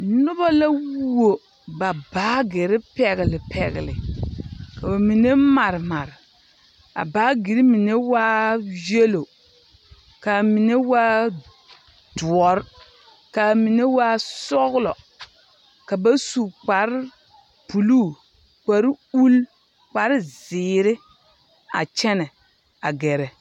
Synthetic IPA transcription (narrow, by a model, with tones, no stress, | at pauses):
nʊ˦ba˦la˦wo˨ | ba˨baː˨˦ɡɪ˨ɾɪ˦pɛ˨ɣɪ˨lɪ˨pʰɛ̰˨ɣɪ̰˨lɪ̰˨ | ka˨ba˨mi˨ne˦ma˨ɾma˨ɾ | a̰˨baː˨˦ɡi˨ɾi˦mi˨ne˦waː˦je˦lo˨ | ka˨mi˨ne˦waː˦ | du˨ɔ˦ɾ | ka˨mi˨ne˦waː˦sɔ˦ɣlɔ˨ | ka˨ba˦su˨k͡pa˨ɾ | pu˨lu˦˨ | k͡pa˨ɾu˦l | k͡pa˨˦ɾzɪː˨ɾɪ˦ | a̰˨t͡ʃɛ˦nɛ˨ | a̰˨ɡɛ˨ɾɛ˨